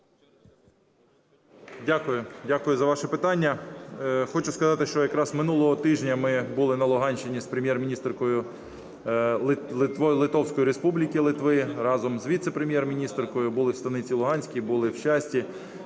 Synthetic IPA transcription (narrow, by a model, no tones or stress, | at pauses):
dʲakʊjʊdʲakʊjʊzɐʋɑʃɛpɪt̪ɑnʲːɐ | xɔt͡ʃʊskɐzɑt̪ɪʃt͡ʃɔjɐkɾɑzmɪnulˠɔɦɔt̪ɪʒnʲɐmɪbulˠɪnɐlˠʊɦɑnʲʃɪnʲispɾemjɛrmʲinʲist̪rkɔjʊ | lɪt̪ʋɔlˠɪt̪ɔwsʲkɔjiɾespublʲikɪlˠɪt̪ʋɪrɑzɔmzʋʲit̪sepɾemʲjɛrmʲinʲist̪rkɔjʊbʊlˠɪwst̪ɐnɪt͡sʲilˠʊɦɑnʲsʲkʲibʊlˠɪwʃɑsʲtʲi